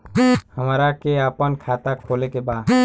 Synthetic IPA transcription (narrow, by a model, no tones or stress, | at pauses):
həmɾakeapənkʰaːt̪akʰolekebaːd̪